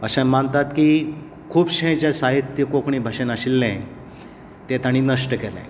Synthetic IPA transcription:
əɕãmənt̪at̪kiː | kʰuːbɕẽt͡ɕasaɦit̪jəkokɳ̃iːbʱəɕenəɕilːɛ̃ | t̪et̪aɽ̃iːnəʂʈəkɛlɛ̰̃

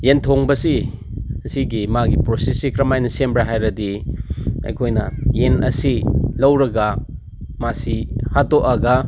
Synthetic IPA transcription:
jentʰoŋbɐsi | siɡimaɡipɾosesikɾɐmajnɐsembɾaɦajɾɐdi | ɐ̰jkʰojnɐ̰jenʔɐsilɐwɾɐɡɐ | masihatoʔɐɡɐ

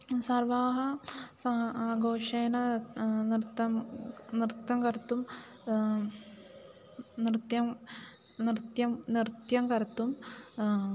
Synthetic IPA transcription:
sɐrʋaːɦɐsɐaːɡoːʂeːnɐnɾt̪ːɐmnɾɨt̪jɐmkɐɾɐt̪ːum | nɾɨt̪jɐm | nɾɨt̪jɐmnɾt̪jɐmkɐɾɐt̪ːum

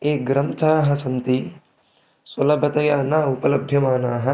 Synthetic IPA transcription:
eːɡɾɐnt̪ʰaːɦɐ̆sɐnt̪i | swɐlɐbʱɐt̪ɐjaːnaːupɐlɐbʱjɐmaːnaːɦɐ̆

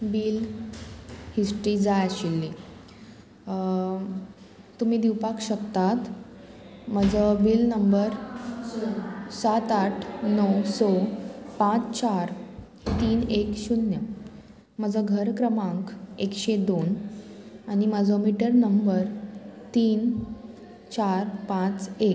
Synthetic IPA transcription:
biːl | hisʈɾiːd͡zajaɕilːi | t̪ːum̤iːd̪iwpakɕəkt̪at̪ | məd͡zʱəbiːlnəmbəɾ | sat̪aʈʰnɔwsɔpãt͡st͡ɕaɾ | t̪iːnekɕunjə | məd͡zʱəɡʱəɾkɾəmãŋkekɕed̪on | aɽ̃iməd͡zʱəmiʈəɾnəmbəɾt̪iːn | t͡ɕaɾpãt͡sek

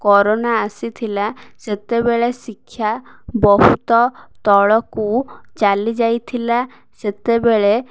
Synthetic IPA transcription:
kɔɾonaːsit̪ʰilaset̪ebeɭesikʰːjabɔɦut̪ɔt̪ɔɭɔkut͡ʃalid͡ʒajt̪ʰila | set̪ebeɭe

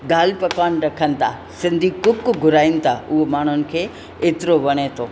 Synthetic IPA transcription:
d̪aːlpɐkaːnɾɐkʰənt̪ʰa | sɪnd̪ʱikʊkːuɡʱʊɾaːɪnt̪ʰaʊɦomaːɳ̤̃unɪ̆kʰe | et̪ɾoʋɐɽ̃et̪ʰo

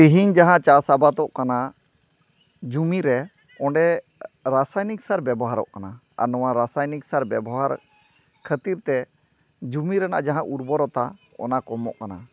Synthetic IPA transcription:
iɦiɲd͡ʒaɦãt͡ʃasabat̪ɔʔkana | d͡ʒumiɾɛ | ɔ̃ɳɖɛ | ɾasajniksaɾbɛbɔɦaɾɔ̰ʔkana | a̰nɔwaɾasajniksaɾbɛbɔɦaɾ | kʰət̪iɾt̪ɛ | d͡ʒumiɾɛna̰ʔd͡ʒaɦãʔuɾbɔɾɔt̪aɔ̰nakɔmɔ̰ʔkana

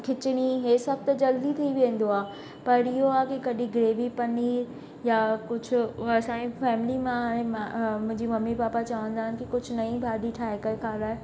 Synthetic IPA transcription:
kʰɪt͡ɕɪɽ̃iɦeːsɐb̚ʱt̪ɐd͡ʑɐld̪it̪ʰiiʋẽnd̪oaː | pɐɾɪɦoaːkikɐɗĩɡɾeːʋipɐniːɾ | jakʊd͡ʑʱʊ̆ɐsãːefɛːmɪlimãɦaːɽ̃ẽmamʊ̃ɦɪ̃ɲd͡ʑimɐmːipaːpat͡ɕɐʋə̃nd̪aːɦɪnɪkikʊd͡ʑʱʊnɐĩbʱaːɗiʈʰaːɦekɐɾkʰaːlaːɦe

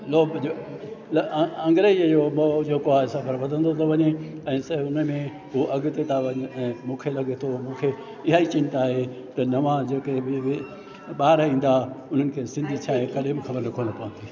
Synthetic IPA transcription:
loːbd͡ʑolɐɐ̃ŋɡɾed͡ʑomod͡ʑeːkoaːɪsãbɐɾʋɐd̪ʱə̃nd̪ʱot̪ʰɐʋɐɲeɛ̃ːsɐʊnəmẽ | ɦuʔɐɡʊt̪et̪ʰaʋɐɲɪ̆ɛ̃ːmũːkʰelɐɡʱet̪ʰomũːkʰe | ɪɦaːit͡ɕɪ̃nt̪aːɦe | t̪ɐnɐʋãd͡ʑeːkebɪʋɪ | ɓaːɾĩːn̆d̪aʊn̤ənɪ̆kʰeːsɪ̃nd̪ʱit͡ɕʰaːɦẽkɐɗẽbɪxɐbəɾnɐkʰonɐpɐʋə̃nd̪iː

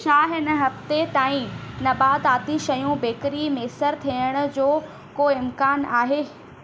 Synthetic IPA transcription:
ʃaːɦɪnə̆ɦɐft̪et̪aːĩnɐbaːd̪aːd̪iʃɐjũbeːkɾimeːsəɾt̪ʰiəɽ̃ʊ̆d͡ʑoː | koːɪmkaːnaːɦeː

